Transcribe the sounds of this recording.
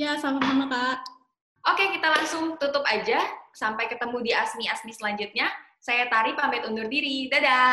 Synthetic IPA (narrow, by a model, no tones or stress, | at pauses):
jasamasamat̪a | ʔokekit̪alaŋsʊŋt̪ut̪ʊpad͡ʒasampajkət̪əmudiasmiasmisəlaɲd͡ʒut̪̚ɲa | sajat̪aɾipambɪt̪undʊrdiɾidada